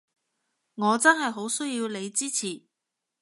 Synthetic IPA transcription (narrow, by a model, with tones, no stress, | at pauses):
ŋɔː˨˧t͡sɐ˥nɦɐ˨jɦo˨˥wsɵ˥jiː˧wle˨˧jt͡siː˥t͡sʰiː˨˩